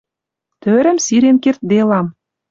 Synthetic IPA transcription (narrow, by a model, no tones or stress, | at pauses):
t̪øɾə̆msiɾenkert̪̚d̪elɑm